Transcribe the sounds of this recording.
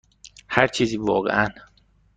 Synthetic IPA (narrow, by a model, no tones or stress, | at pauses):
hæɾt͡ʃʰiːziːvɒːɣḛʔæn